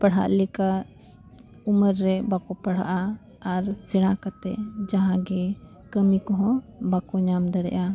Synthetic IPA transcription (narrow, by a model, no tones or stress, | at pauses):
pəɽ̤a̰ʔlɛka | uməɾːɛbakɔpaɽ̤a̰ʔaː | ɾsɛɽ̃ãkat̪ɛ̰ʔd͡ʒaɦãɡɛ | kəmikɔɦɔ̃bakɔɲamd̪əɽɛ̰ʔa